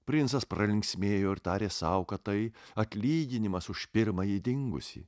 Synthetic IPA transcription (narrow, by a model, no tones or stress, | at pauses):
pʲɾʲɪnsɐspɾɐlʲɪŋʲksʲmʲeːjoːɪɾt̪ɑːɾʲeːsɐʊkɐt̪ɐɪɐt̪ʲlʲiːɡʲɪnʲɪmɐsʊʃpʲɪɾmɐjid̪ʲɪŋɡʊ̰sʲḭː